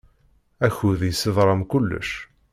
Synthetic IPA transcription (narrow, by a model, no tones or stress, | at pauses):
æçuðjsːɪðˤɾˤɑmkʊlːə̰ʃ